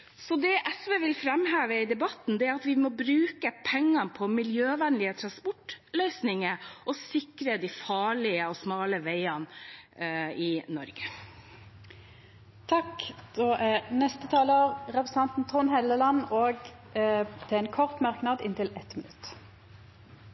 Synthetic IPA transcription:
sɔd̪ɛʔɛsʋeːʋɪlfɾɛmhæːʋəɪd̪ɛbɑt̪n̩d̪ɛæɾɑt̪ʋɪmɔbɾʉːkəpʰɛŋːɑpʰɔmɪljøːʋɛnlɪət̪ʰɾɑnspɔʈlœʏsnɪŋəʔɔsɪkɾəd̪æfɑːɭɪəɔsmɑːləʋeɪɑn | ɪnɔɾɡə | t̪ʰɑkd̪̥oːʔæʁnɛst̪ət̪ʰɑːloːʁʁɛpɾəs̩ɑnt̪n̩t̪ʰʁʊnhɛləlɑnoːɡ | t̪ʰɛɛnkʰɔʁt̪mɑɾknɑd̪ɪ̰nt̪ɪlɛt̪mɪnʉt̪

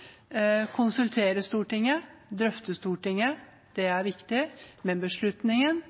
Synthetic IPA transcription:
kʰʊnsʉlt̪ʰeːɾəst̪uːʈɪŋːəd̪ɾœft̪əst̪uːʈɪŋːə | d̪̥ɛæɾʋɪkt̪ɪmɛnbəʂɭʉt̪nɪŋən

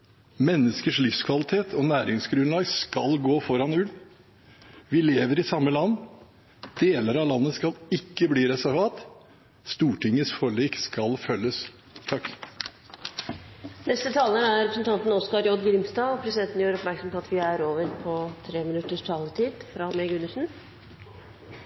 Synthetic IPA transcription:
mɛnːəskəʂlʏfskʰʋɑlɪt̪ʰeːt̪ʰɔnæːɾɪŋsɡɾʉnlɑːɡskɑlɡoːfɔɾɑnʉl | ʋɪleːʋəɾɪsɑmːəlɑnː | d̪̥eːləɾɑlɑnːəskɑlɪkːəbliːɾɛsæɾʋɑːt̪ | st̪uːʈɪŋːəsfɔɭiːkskɑlfœlːəs | t̪ʰɑkː | nɛst̪ət̪ʰɑːlənæɾɾɛpɾsnt̪ʰɑnt̪n̩ɔskɑɾjɔd̪ɡɾɪmst̪ɑːɔpʰɾɛsɪd̪ɛnt̪njøːɾɔpmæɾksɔmpʰɔɑt̪ʋɪæɾoːʋəɾpʰɔt̪ʰɾeːmɪnʉt̪ːəʂʈʰɑːlət̪ʰiːd̪fɾɑmeɡʉnːəʂn̩

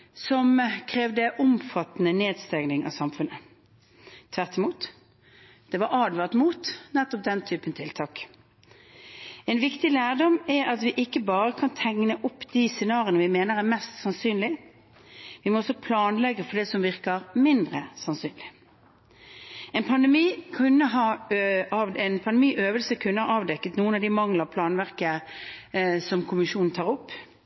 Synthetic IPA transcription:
sɔmkʰʁeːʋd̪əʔʊmfɑt̪ːnəneːd̪st̪ɛŋnɪŋʔɑ̰sɑmfʉnːə | t̪ʰːʋæʁt̪ɪmuːt̪ | d̪̥ɛʋɑɾɑːd̪ʋɑʁt̪muːt̪nɛt̪ːɔp̚d̪ɛnt̪ʰyːpənt̪ʰɪlt̪ʰɑːk | ɛnʋɪkt̪ɪlæːʁɖɔmæɾɑt̪ʋɪʔɪkːəbɑːʁəkʰɑnt̪ʰɛŋnəʔʊpːd̪iːsɛnɑːɾɪənəʋɪmeːnəɾæʁmɛst̪sɑnsyːnlɪ | ʋɪmɔɔsɔpʰlɑːnlɛɡːəfɔɖ̪ɛsɔmʋɪʁkəʁmɪnd̪ʁəsɑnsyːnlɪ | ɛnpʰɑnd̪ɛmiːkʰʉnːəɦɑːɑɛnpʰɑnd̪miːʔøːʋəlsəkʰʉnːəhɑɑːʋd̪ɛkːət̪nuːənɑʋd̪ɪmɑŋləʁpʰlɑːnʋæʁkə | sɔmkʰʊmɪʃuːnn̩t̪ʰɑːʁɔpː

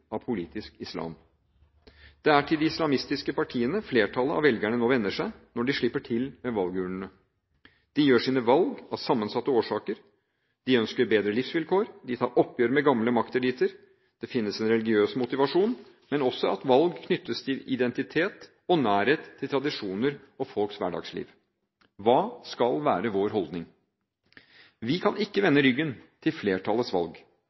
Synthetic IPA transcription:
ɑpʰʊliːt̪ɪskɪslɑ̰ːm | d̪̥ɛæʈʰɪld̪ɪɪslɑmɪst̪ɪskəpɑʈʰiːənəfleːʈʰɑləɑ̰ʋɛlɡæɳənoːʋɛnːəʂæɪnɔɖɪʂɭɪpːəʈʰɪlmɛʋɑlɡʉːɳəɳə | d̪̥ɪjøːʂiːnəʋɑlɡɑsɑmːənsɑt̪ːəoːʂɑːkəɾ | d̪̥ɪœnskəɾbeːd̪ɾəlɪfsʋɪlkʰoːɾd̪ɪt̪ʰɑːɾʔɔpːjøːɾmɛɡɑmləmɑkt̪ɛd̪iːt̪ʰəɾ | d̪̥ɛfɪnːəsɛnɾɛlɪɡɪøːsmʊt̪ɪʋɑʂuːn | mɛnɔsɔɑt̪ʋɑlɡkʰnʏt̪ːəst̪ʰɪlɪ̰d̪ɛnt̪ɪt̪ʰeːt̪ | ɔnæːɾheːt̪ʰːɪlt̪ʰɾɑd̪ɪʂuːnəɾɔfɔlksʋæ̰ɖɑ̰ːɡslḭːʋ | ʋɑːskɑlʋæːɾəʋoːɾɦɔld̪nɪŋ | ʋɪkʰɑnɪkːəʋɛnːəɾʏɡːənt̪ʰɪlfleːʈʰɑlːəsʋɑ̰lɡ

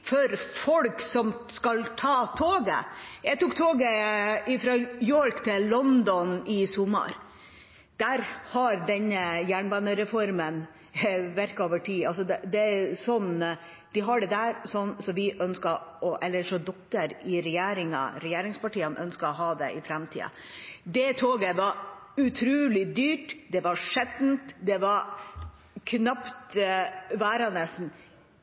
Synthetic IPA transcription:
fɔɾfɔlksɔm | skɑlt̪ʰɑːt̪ʰoːɡə̰jæɡt̪uːk̚t̪ʰoːɡəɪfɾɑjɔɾkt̪ʰɪllɔnd̪ɔnɪsɔmːɑ̰ɾ | d̪̥æɾhɑɾɖɛnːəjæːɳbɑnəɾɛfɔɾmən | ʋæɾkɑoːʋəʈʰiːɑls̬ɔd̪ɛd̪ɛæsɔnː | d̪̥ɪɦɑɖɛd̪æɾsɔnːsɔmʋɪʔœnskɑɔʔɛlːəʂɔd̪ɔkːəɾɪɾɛjeːɾɪŋɑ̰ɾɛjeːɾɪŋspɑʈiːənʔœ̰nskɑɔɦɑːd̪ɛ̰ʔɪfɾɛmt̪ʰḭːɑ̰ | d̪ɛt̪ʰoːɡəʋɑʉt̪ʰɾʉːlɪd̪yːʈd̪ɛʋɑʂɛt̪n̩t̪d̪ɛʋɑɾ | kʰnɑpt̪ | ʋæːɾɑnəsn̩

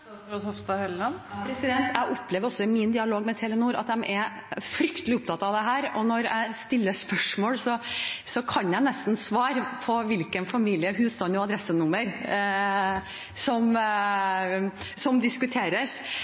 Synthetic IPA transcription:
ɾɔt̪hɔʋst̪ɑhɛlɑnpʰɾɛsɪd̪ɛnt̪ʰæɪʔɔpːleːʋəɾɔsːɔɪmɪnd̪ɪɑloːɡmɛt̪ʰɛːlənuːɾɑ̰t̪̚d̪ɛmʔɛ | fɾʏkt̪əlɪʊp̚t̪ʰɑt̪ɑʋd̪ɛɦæːɾɔnɔɾæ̰ɪst̪ɪlːəspœʂmoːlsɔsɔkʰɑnjæɪnɛst̪n̩sʋɑːɾpʰɔʋɪlkənfɑmiːlɪəɦʉːst̪ɑnɔɑd̪ɾɛsːənʊmːəɾ | sɔm | sɔmd̪ɪskʉt̪ʰeːɾəɾ

